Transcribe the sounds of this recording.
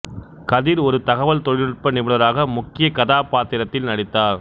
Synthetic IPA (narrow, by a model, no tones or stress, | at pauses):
kɐðɪɾɔɾɯt̪ɐɣɐʋɐlt̪ɔɻɪnɪʈ̚pɐnɪmɯɭɐɾaːɣɐmʊkːɪjɐkɐðaːpaːt̪ɪɾɐt̪ːɪlnɐɽɪt̪ːaːɾ